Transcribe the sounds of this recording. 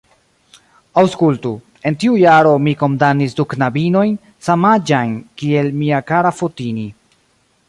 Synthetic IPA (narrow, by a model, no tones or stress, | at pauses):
awskultu | e̞ntiujaɾo̞miko̞ndanisduknabino̞jn | samad͡ʒajnkie̞lmiakaɾafotini